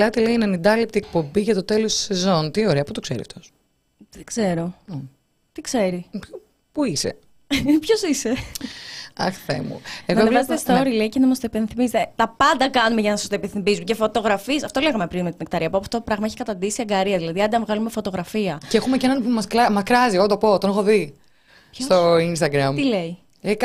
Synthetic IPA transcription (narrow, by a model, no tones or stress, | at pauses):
lɐt̪ileinenind̪ɐlip̚t̪iek̚po̞biʝɐt̪o̞t̪e̞lost̪u̥se̞zo̞nt̪io̞ɾeɐput̪okseɾḭɐ̰ft̪o̞s | ðeɡ̥ze̞ɾo̞ | t̪ikse̞ɾi | puisḛ | pço̞sise̞ | ɐ̰xθḛmṵeɣnɐovvɐzet̪est̪oɾileicenɐmɐst̪oipenθimizt̪et̪ɐpɐnd̪ɐkɐnumeʝɐnɐsɐ̥st̪openθimbizumcefo̞t̪oɣɾɐfisɐft̪o̞leɣɐmepɾinme̞t̪inekt̪ɐɾiɐpopːɐft̪ot̪opɾɐɣmɐeçi̥kɐt̪ɐnd̪isiɐŋɡɐɾiɐðilɐðiɐnd̪ɐvɣɐlumefo̞t̪o̞ɣɾɐfiɐceexumecenɐnpumɐskɾɐmɐskɾɐziot̪opo̞t̪onexoði | st̪oins̬t̪ɐɡɾɐmt̪ile̞i | ek